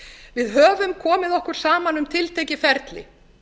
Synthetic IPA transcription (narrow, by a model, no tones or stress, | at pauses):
vɪðɦœːvʏmkʰɔːmɪðɔhkʏɾ̥saːmanʏmt̪ʰɪlt̪ʰejcɪfɛɾt̪lɪ̰